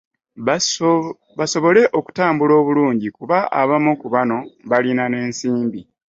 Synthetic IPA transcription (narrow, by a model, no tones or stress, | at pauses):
βaso̞βo̞le̞ʔo̞ku̥taːmbulo̞ːβuluːɲɟikuβaʔa̰βamukuβano̞βalinane̞ːnsiːmbi